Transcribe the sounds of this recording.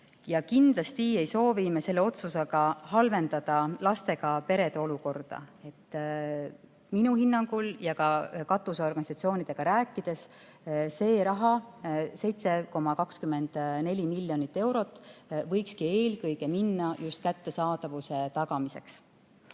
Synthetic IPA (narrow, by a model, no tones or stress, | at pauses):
jɑkind̪lɑst̪ie̞jso̞ːvimese̞lːe̞o̞t̪suseɡ̥ɑɦɑlve̞nd̪ɑd̪̥ɑlɑst̪e̞ɡ̥ɑpe̞ɾe̞d̪eo̞luko̞rd̪̥ɑ̰e̞t̪ː | minuhinːɑŋɡ̥uljɑkɑkɑt̪ːˑuso̞rɡɑnisɑt̪sio̞ːnid̪̥e̞ɡ̥ɑɾæːkːˑid̪̥e̞s | se̞ːɾɑɦɑse̞jt̪se̞ko̞mɑkɑkskyme̞nd̪̥ne̞lʲimilʲːjo̞nit̪ːe̞wɾo̞t̪ːˑvɤ̞jkskie̞ːlkɤjɡ̥e̞minːɑjust̪̚kæt̪ːe̞sɑːd̪̥ɑvuse̞t̪ɑɡ̥ɑmise̞̰ks